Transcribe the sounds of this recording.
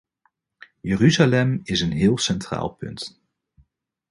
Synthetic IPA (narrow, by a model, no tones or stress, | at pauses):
jəryzalɛmɪsənɦɪːlˠsɛntra̰ːlˠpɵ̰nt